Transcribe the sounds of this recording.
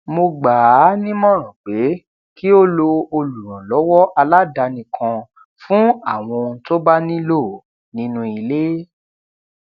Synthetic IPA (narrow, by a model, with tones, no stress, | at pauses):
mo˧ɡ͡ba˨˦nĩ˦mɔ̃˦˨ɾ̃ã˨ɡ͡be˨˦ | ki˦o˦lo˧o˧lu˨ɾ̃ã˨lɔ˨˦wɔ˦ʔa˧la˦da˧nĩ˨kʰã˧ | fũ˦a˦˨w̃ɔ̃˧ñ̩˧˦to˦ba˦nĩ˦lo˦˨ | nĩ˨˦nũ˧i˨le˦